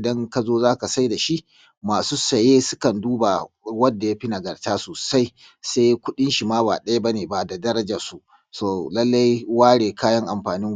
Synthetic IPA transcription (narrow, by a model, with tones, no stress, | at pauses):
dɐ˦ŋka˦zoː˦zaː˦ka˨sa˦jda˨ʃi˦ʔ | maː˨suː˦sɐ˨jeː˦sʊ˦kɐ˨nduː˦ba˨wɐ˦dːa˨ja˦ɸi˦na˨ɡɐ˨rtaː˦soː˨sa˦j | sa˦jkʷʊ˦ɗɪ˦nʃi˨maː˦ba̰ː˨ɗɐ˦ja˦ba˦neː˨ba˨da˨dɐ˦ɾɐ˦d͡ʒa˨su˦ | soː˨lɐ˦lːa˦jwaː˦ɽeː˨kaː˦jɐ˦ŋʔa˨mɸaː˨nɪ˦ŋ